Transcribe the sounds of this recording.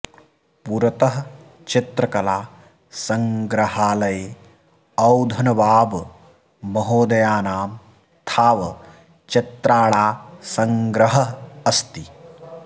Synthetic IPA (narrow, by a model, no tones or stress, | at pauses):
puɾɐt̪ɐɦɐ | t͡ʃit̪ɾɐkɐlaː | sɐ̃ŋɡɾɐɦaːlɐje | ɐwd̪ʱɐnɐbaːbː | ɐɦoːd̪ɐjaːnaːm | t̪ʰaːʋɐ | t͡ʃit̪ɾaːɭaːsɐŋɡɾɐɦɐːst̪i